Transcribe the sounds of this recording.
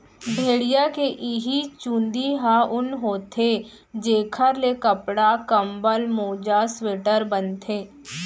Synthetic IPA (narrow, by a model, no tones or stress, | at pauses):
bʱeːɽijakeʔɪɦit͡ʃũːnd̪iɦaʊnɦoːt̪ʰe | d͡ʒeːkʰəɾlekəpɽakəmbəlmoːd͡ʒasweːʈəɾbənt̪ʰeː